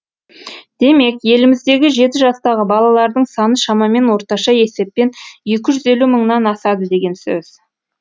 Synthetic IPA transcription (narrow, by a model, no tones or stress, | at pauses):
d̪̥e̞me̞kje̞lɪmɪzd̪e̞ɡʲɪʒe̞t̪ɪʒɑst̪ɑʁəbɑlˠɑlˠɑɾd̪əɴsɑnəʃɑmɑme̞nwo̞ɾt̪ɑʃɑje̞se̞p̚ːe̞nje̞kʲɪʒʏze̞luməɴnɑnɑsɑd̪əd̪e̞ɡʲe̞nsø̰z̥